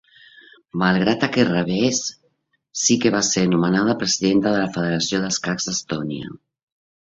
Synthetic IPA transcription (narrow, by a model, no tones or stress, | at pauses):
malˠɣɾat̪akerəβɛsː | ikeβaseɾnumənað̞əpɾəziðent̪əðəlafəðeɾasioðəlskakzəst̪onia̰